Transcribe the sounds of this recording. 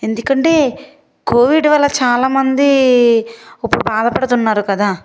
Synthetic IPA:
e̞nd̪ukɐɳʈe̞ː | kʰo̞ːʋiɖʋɐlːɐt͡ʃaːlaːmɐnd̪i | ɐpːuɽubaːd̪ɐpɐɽɐt̪unːaːɾukɐd̪aː

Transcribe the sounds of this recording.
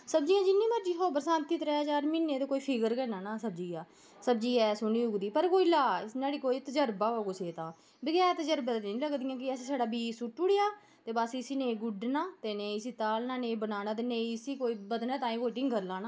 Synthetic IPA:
səbd͡ʒiːãːd͡ʒɪnːĩːməɾd͡ʒiːɦoːbəɾsãːnt̪iːt̪əɾat͡ʃaːɾmɪnːeːt̪eːkoːiːpʰɪɡəɾkɛːnaːnãːsəbd͡ʒiːãː | səbd͡ʒiːɛːsʊniːʊɡd̪iːpəɾkoːiːlaːɪsnãːɽiːkoːiːt̪əd͡ʒəɾbaːʋaːkʊseːt̪ãː | bəɡɛːɾt̪əd͡ʒəɾbaːt̪ːĩːləɡd̪ɪijãːk̬ɪəsẽːsaːɖaːbiːsʊʈːʊɽejaː | t̪eːbasiɪsiːnẽːɡʊɖnaːt̪eːnẽĩsiːt̪aːlnaːnẽːbənaːnaːt̪̬eːneĩːɪsiːkoːiːbəd̪nãːt̪ãːĩːkoːʈɪ̃ŋɡkəɾlãːnaː

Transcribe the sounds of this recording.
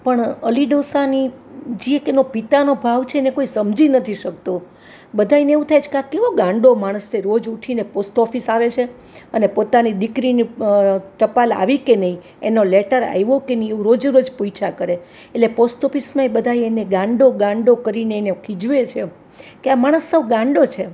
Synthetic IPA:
pəɳəliɖosanid͡ʒiekenopit̪anobʱaʋt͡ʃʰeenekoisəmd͡ʒinət̪ʰiʃək̚t̪o | bəd̪ʱajneeũt̪ʰajt͡ʃʰkakːeʋoɡãɳɖomaɽ̃əsneɾod͡ʒuʈʰineposʈɔfisaʋet͡ʃʰe | ənepot̪anid̪ikɾiniʈ̪əpala̰ʋikenəɦĩ | ḛnoleʈəɾa̰jʋokenəĩeũɾod͡ʒɾod͡ʒpojt͡ʃʰakəɾe | eʈleposʈɔfismãebəd̪ʱaieneɡãɳɖoɡãɳɖokəɾineːnekʰid͡ʒʋet͡ʃʰe | keamaɽ̃əsːəʋɡãɳɖot͡ʃʰe

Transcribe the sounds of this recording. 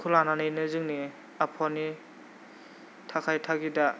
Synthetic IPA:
kʰulananɯjnɯzɯŋni | apʰɔni | tʰakʰajtʰaɡida

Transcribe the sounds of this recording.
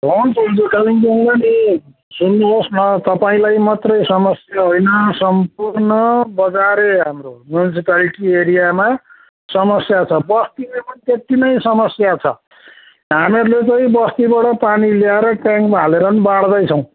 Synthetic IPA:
rʱonpod͡zekaliŋɡeŋlʌni | sunːubosnʌt̪ʌpaĩlajmat̪rʌjsʌmʌsjaɦojnʌsʌmp̚urnʌbʌd͡zaɾeɦamromjunisipaliʈieɾijama | sʌmʌsjat͡sʰʌbʌst̪ilemʌnit̪et̪inʌjsʌmʌsjat͡sʰʌ̰ | ɦameɾulet͡sʌĩbʌst̪ibaɽʌpaniljaɾʌʈjãŋkbʱaleɾʌnbaɽd̪ʌjt͡sʰʌw̃

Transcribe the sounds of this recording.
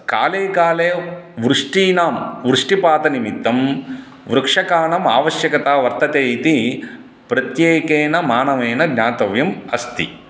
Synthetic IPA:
ka̰ːleːkaːleːʋɾuʂʈiːnaːmʋɾuʂʈipaːt̪ɐnimit̪ːɐm | ʋɾɐkʂɐkaːnɐma̰ːʋɐʃjɐkɐt̪aːʋɐɾt̪ɐt̪eːit̪i | pɾɐt̪jeːkeːnɐmaːnɐʋeːnɐɡɲaːt̪ɐʋjɐmɐst̪ḭ

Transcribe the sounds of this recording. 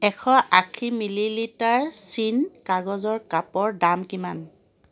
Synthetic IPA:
ɛkʰɔʔakʰimililitaɹsinkaɡɔzɔɹkapɔɹdamkiman

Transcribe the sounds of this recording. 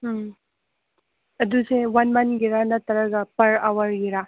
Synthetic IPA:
ɐdusewanmɐnɡiɾanɐt̪ɐɾɐɡɐpɐɾawɐɾɡiɾa

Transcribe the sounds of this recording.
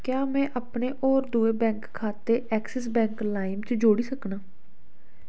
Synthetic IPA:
kjaːmɛ̃ːʔapɳeːʔɔːɾd̪uːeːbɛ̃ːŋkʰːaːt̪eːʔɛːksɛs̬bɛ̃ːŋklaːimt͡ʃd͡ʒoːɽiːsəknaː

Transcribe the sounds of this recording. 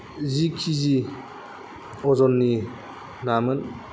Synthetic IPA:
zikʰizi | ɔzɔnːi | namɯn

